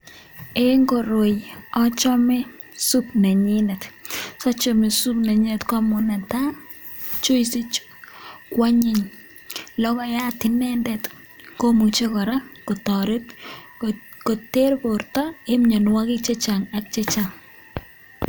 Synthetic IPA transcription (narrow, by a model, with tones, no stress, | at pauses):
e˦ŋɡo˨ɾo˨jɔ˦t͡ʃɔ˦me˦ | su˦pna˨ɲɪnɛ˨tsɔ˦t͡ʃɔ˨mɪ˨su˦pna˨ɲɪ˦nɛ˨tka˦mʊ˨na˨ta˦ | t͡ʃo˦jsi˦t͡ʃ | kwa˦ɲɪ˨ɲ | lɔ˦kɔ˦ja˦tɪ˨nɛ˦ndɛ˨t | ko˦mu˨t͡ʃe˦kɔ˨ɾa˦ko˨tɔɾɪ˦t | ko˨te˦ɾpo˨ɾtɔ˦e˦mɲɔ˨nwa˦kɪ˦t͡ʃe˦t͡ʃaŋa˨k̚t͡ʃe˦t͡ʃa˨ŋ